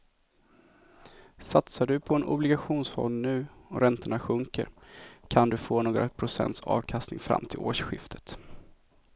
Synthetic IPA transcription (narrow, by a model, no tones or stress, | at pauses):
sat̪saɖɵpʰɔɛnʔʊblɪɡaɧuːnsfɔ̰nd̪nʉ̟ːɔɾɛnt̪əɳaɧɵŋkə̰ɾkʰand̪ɵfoːnoːɡɾa̰pʰɾʊsɛ̰nt̪sɑ̰ːvkʰast̪nɪŋfɾa̰mt̪ʰɪloːʂɧɪft̪ʰə̥t̪